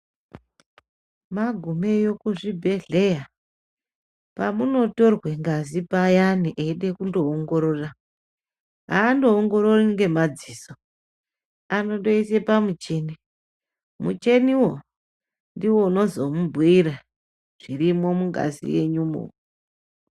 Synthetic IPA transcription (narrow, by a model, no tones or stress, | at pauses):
maɡʱume̞jo̞kuʐibʱe̞ɮe̞ja | pamuno̞to̞rwe̞ŋɡazipajaniʔeiɗe̞kundo̞ːŋɡo̞ɾo̞ra | ɦaːndo̞ːŋɡo̞ɾoriŋɡe̞mad͡ziːso | ano̞ɗo̞ise̞pamut͡ʃe̞ni | mṵt͡ʃe̞niwo̞ | ndiwo̞uno̞zo̞mubʱwiɾa | ʐ̥irimo̞muŋɡa̰zḭwe̞̰ɲumo̰